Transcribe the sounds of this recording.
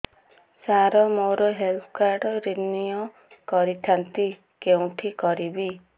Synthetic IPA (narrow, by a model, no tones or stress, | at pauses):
saɾɔmoɾɔɦelpʰkaɾɖɔɾinijɔ | kɔɾit̪ʰant̪i | keũʈʰikɔɾibi